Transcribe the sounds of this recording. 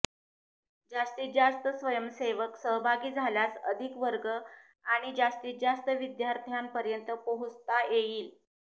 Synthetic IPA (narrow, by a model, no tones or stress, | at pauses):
d͡zast̪iːt̪̚d͡zast̪əsʋəjəmseʋəksəɦbʱaɡiːd͡zʱaljasəd̪ʱikʋəɾɡə | aɽ̃id͡ʑast̪iːt̪̚d͡zast̪əʋid̪jaɾt̪ʰjampəɾjənt̪əpəɦut͡st̪ajeiːl